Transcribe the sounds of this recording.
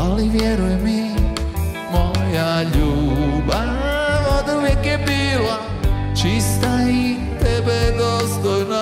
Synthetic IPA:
aliʋjɛɾujɛmi | mojaʎubavod̪auvjɛkjɛbila | t͡ʃist̪ai | t̪ɛbɛd̪ost̪ojna

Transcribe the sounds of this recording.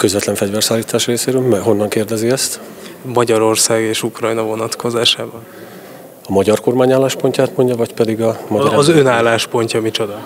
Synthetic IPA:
kø̞zvɛt̪lɛɱfɛɟvɛrsaːlːiːt̪aːʃreːseːɾøːlmɛɦo̞nːɒŋkeːrd̪ɛziɛst̪ | mɒɟɒɾo̞rsaːɡeːʃukrɒjnɒvo̞nɒt̪kʰo̞zaːʃaːbɒn | ɒmɒɟɒrko̞rmaːɲaːlːaːʃpo̞ɲcaːt̪mo̞ɲɟɒvɒcpɛd̪iɡɒmɒɟɒɾazønaːlːaːʃpo̞ɲcɒmit͡ʃo̞d̪ɒ

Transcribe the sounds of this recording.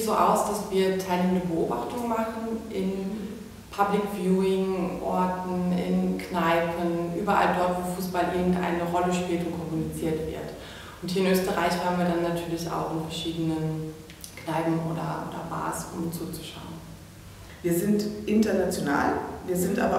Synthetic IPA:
tz̥oːʔa̰ʊsd̥asv̥iːɐtʰaɪlneːməndəbəʔo̰ːbaχtʊŋmaχn̩ʔɪn | pʰablɪkv̥juːɪŋʔɔɐtn̩ɪ̰nknaɪpənʔyːbɐʔa̰ldɔɐtv̥oːfuːsb̥alʔɪɐɡŋ̩tʔa̰ɪnəʁɔləʃpiːltʊntkʰɔmunit͡siːɐtv̥ɪ̰ɐt | ʊnthiːɐɪnʔøːstəʁaɪçhaːbmnviːɐdanːatʰyːɐlɪça̰ʊxɪnfɛɐʃiːdənən | knaɪbm̩ʔoːdɐ̰ʔo̰ːdɐ̰ba̰ːsʊ̰mʊnst͡suːt͡su̥ʃa̰ʊən | viːɐzɪntʔɪntɐnat͡sjona̰ːlviːɐzɪntʔa̰ːbɐ

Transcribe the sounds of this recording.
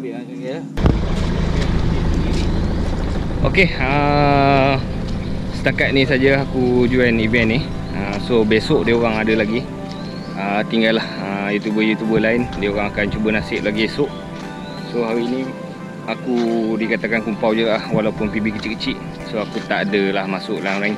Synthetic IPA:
o̰keə | sə̥t̪akat̪̚nĩsad͡ʒəaɦakud͡ʒuɛnivɛnːi | əsobesʊʔdiəoɾaŋadəlaɡi | ət̪iŋɡalːahəjut̪jubəjut̪jubəlaɪndiəoɾaŋakant͡ʃubənasɪʔ̚laɡibesʊʔ | soɦaɾiːnĩ | akudikat̪akankumpawd͡ʒuɡaʔlhwalaupʊnpibikət͡ʃiʔkət͡ʃiʔ | soakut̪aʔadəlahmasʊʔlanoɾan

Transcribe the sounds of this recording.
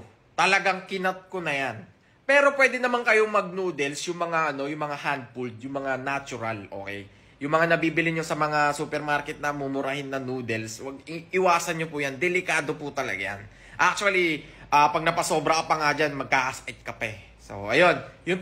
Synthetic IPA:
t̪ɐlɐɡaŋkɪnɐt̪̚ko̞nɐjan | pɛːɾo̞pwɛːd̪ɪnɐmaŋkɐjoŋmɐɡ̚nuːd̪ɛlsjʊŋmɐŋaʔɐno̞jʊŋmɐŋahand̪̚fuld̪̚jʊŋmɐŋanat͡ʃʊɾɐlʔo̞̰kɛ̰j | jʊŋmɐŋanɐbiːbɪlɪɲo̞sɐmɐŋasupɛɾmaɾkɛt̪̚nɐmumʊɾahɪnːɐŋnuːd̪ɛlswɐɡ̚ɪʔɪwaːsɐnɲopʊjand̪ɛlɪkaːd̪o̞pʊt̪ɐlɐ̰ɡaja̰n | ʔak̚t͡ʃuɐliʔaːpɐɡ̚nɐpɐso̞ːbɾɐkɐpɐŋad͡ʒanmɐɡ̚kaʔɐsʔɛt̪̚kɐpɛ | so̰ʔɐjo̞njʊn

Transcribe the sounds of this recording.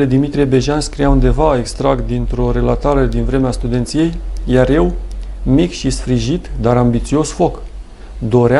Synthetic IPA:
ed̪imit̪ɾijebe̞ʒanskɾijaund̪e̞vae̞kst̪ɾakt̪̚d̪int̪ɾo̞ɾe̞lat̪aɾed̪invɾe̞meast̪ud̪e̞nt̪sije̞jjaɾje̞wmikʃisfɾiʒit̪d̪aɾambit̪siosfo̞k | d̪o̞ɾa

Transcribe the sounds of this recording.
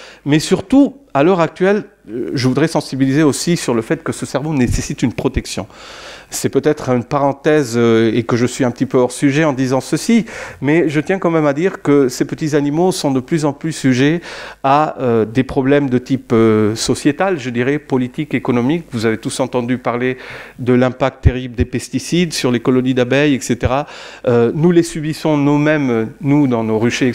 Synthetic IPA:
mɛsyʁt̪ualœʁak̚t̪ɥɛl | ʒəvud̪ʁɛsɑ̃sibilizeosisyʁləfɛt̪kəsəsɛʁvonesesit̪ynpχɔt̪ɛksjɔ̰̃sɛpøt̪ɛt̪χynpaʁɑ̃t̪ɛzøekəʒəsɥiɛ̃pə̥t̪ipøɔʁsyʒɛɑ̃d̪izɑ̃səsimɛʒət̪jɛ̃kɑ̃mɛmad̪iʁkəsepət̪izanimosɔ̃d̪əplyzɑ̃plysyʒeaød̪epχɔblɛmd̪ət̪ipøsɔsjet̪alʒəd̪iʁɛpɔlit̪ikekɔnɔmikvuzavet̪usɑ̃t̪ɑ̃d̪ypaʁled̪əlɛ̃pak̚t̪ːeʁibləd̪epɛst̪isid̪syʁlekɔlɔnid̪abɛjɛkset̪eʁaønulesybisɔ̃numɛmnud̪ɑ̃noʁyʃe

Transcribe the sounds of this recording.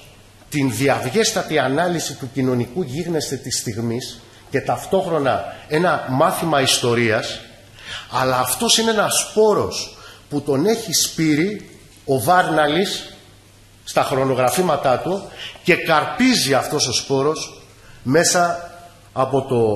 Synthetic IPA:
t̪inðiɐvʝe̞st̪ɐt̪iɐnɐlisit̪ucino̞nikuʝiɣne̞st̪e̞t̪ist̪iɣmis | ce̞t̪ɐft̪o̞xɾo̞nɐe̞nɐmɐθimɐist̪o̞ɾiɐs | ɐlɐːft̪o̞sineenɐspo̞ɾo̞sput̪o̞ne̞çispiɾi | o̞vɐɾnɐlis | t̪ɐxɾo̞no̞ɣɾɐfimɐt̪ɐt̪uce̞kɐɾpiziɐft̪o̞so̞spo̞ɾo̞s | me̞sɐː | po̞t̪o̞

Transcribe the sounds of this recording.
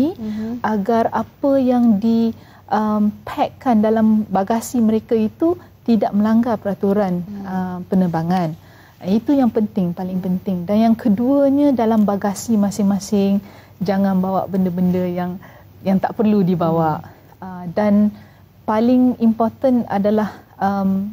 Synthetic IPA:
iʔaɡarapəjaŋdi | ʔəmpʰɛkːandalambaɡasiməɾekait̪u | t̪idaʔ̚mə̃laŋɡapəɾat̪uɾanəpənəbaŋãn | it̪ujaŋpənt̪ɪŋpalɪŋpənt̪ɪŋdanjaŋkʰəduəɲadalambaɡasimãsɪŋmãsɪŋ | d͡ʒaŋãnbawa̰ʔbəndəbəndəjaŋ | jaŋt̪aʔpərludibawaʔ | ədan | palɪŋimport̪əna̰dalahəm

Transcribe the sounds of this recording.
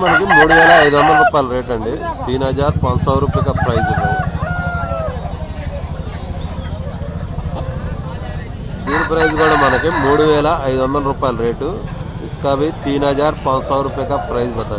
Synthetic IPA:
mɐnɐkimuːɽuʋɛːlɐːjd̪uʋɐnd̪ɐlɐɾuːpaːjlɐɾe̞ːʈɐɳɖit̪iːnaːd͡ʒaːɾpɐnsaɾuːpːjkapʰɾɐjd͡ʒd͡ʒɐt̪ːaːju | t̪iːnpʰɾɐjd͡ʒɡaːɽɐmɐnɐkimuːɽuʋɛːlɐɐjd̪uʋɐnd̪ɐlɐɾuːpaːjlɐɾe̞ːʈu | iskaːbit̪iːnaːd͡ʒaːɾpɐnɐsɐːwɾuːpikapʰɾɐjd͡ʒbɐt̪ːaː

